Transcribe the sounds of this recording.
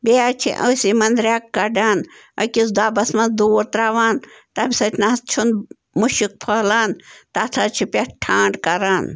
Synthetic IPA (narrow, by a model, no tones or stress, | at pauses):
beat͡ʃʰḭʔɐsimɐnd̪ɾʲaːkːɐɖaːnɐ̰kʲisd̪aːbɐsmɐnd̪uɾt̪ɾaːʋaːnt̪ɐmʲsɐt͡ʃnaɐst͡ʃʰun | muʃik̚pʰɐːlaːnt̪at̪ʰat͡ʃʰipʲɐʈʰaːɳɖkɐɾaːn